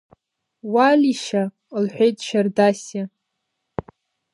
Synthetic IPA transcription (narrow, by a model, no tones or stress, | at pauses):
walʲiʃa | lħʷᶣejtʼʃardasa